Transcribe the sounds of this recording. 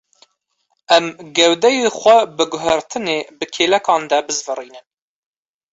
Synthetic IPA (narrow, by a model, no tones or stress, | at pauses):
ɛmɡɛwd̪ɛjeχʷɛbɨɡʊɦæɾt̪ʰɨneːbɨkʰeːlɛkɑːnd̪ɛbɨzvɨriːnɨn